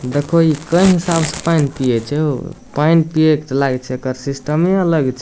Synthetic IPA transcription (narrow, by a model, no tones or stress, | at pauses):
d̪ekʰoikə̃j̃ɦisabsepainpiɛt͡ʃʰɛo | painpiekt̪laɡet͡ʃʰɛkəɾsisʈəmːeələɡt͡ʃʰɛ